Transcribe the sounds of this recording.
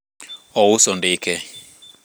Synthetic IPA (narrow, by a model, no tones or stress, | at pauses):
ɔwusɔndɪːkʰɛ